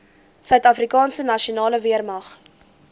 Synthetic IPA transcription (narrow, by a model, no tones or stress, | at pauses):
sœɥtɐfrikɑːnsənɐʃionɑːləviərmɐχ